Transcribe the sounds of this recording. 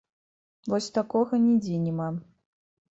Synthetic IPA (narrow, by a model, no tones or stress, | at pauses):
vɔsʲt̪akɔɣɐnʲɛd͡zʲenʲɛma